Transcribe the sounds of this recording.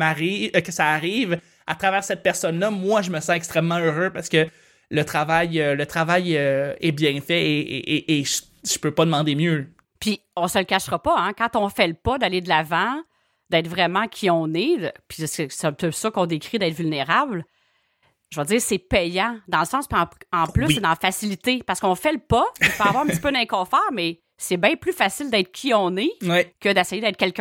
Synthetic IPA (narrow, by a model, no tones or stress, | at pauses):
maʁikəsaːʁiːv | a̰t̪χavɛːʁsɛt̪̚pɛʁsɔnlʌmwaʒəməsɑ̃ɛkst̪χɛmːɑ̃øʁøpaʁsə̥kə | lət̪χavajølət̪χavajøɛbjɛ̃fɛḛʔʔːʒ | ʒ̥əpøpʌd̪əmɑ̃d̪emjø | pi | ɔ̃səlkʲaʃʁɔpɔɛ̃kɑ̃t̪ɔ̃fɛləpɔd̪aled̪əlavɑ̃ | d̪ɛːt̪χvʁɛmãkʲʰiɔ̃ned̪əpʰi̥ssp̚t̪ɛsɔkɔ̃d̪ekʁid̪ɛːt̪vylneʁabl | ʒəvɔd͡ziːʁsɛpɛjãd̪ɑ̃ləsɑ̃spiɑ̃ɑ̃plʏssɛd̪ɑ̃fasilit̪epaʁsə̥kɔ̃fɛləpɔipøaavwaɑʁɛ̃ptt͡spønɛ̃kɔ̃ːfɑːʁmɛ | sɛbɛ̃plyfasɪld̪ɛːt̪χkʲʰiɔ̃newɛkəd̪esɛjed̪ɛɪt̪χkɛlkʲ